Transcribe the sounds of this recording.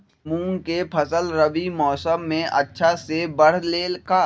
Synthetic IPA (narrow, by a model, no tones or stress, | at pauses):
mũːkepʰɐsəlɾəʋimɔːsəmːẽʔɐ̰tːʃʰasebɐɽ̤leːlkaː